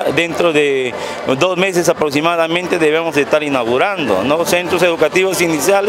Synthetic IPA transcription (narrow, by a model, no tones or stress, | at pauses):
d̪ent̪ɾoðe | d̪ozmesesapɾoksimaðamẽnt̪eðeβemozest̪aɾinaɣuɾand̪o̰nosent̪ɾos̬eðukat̪iβosinisjale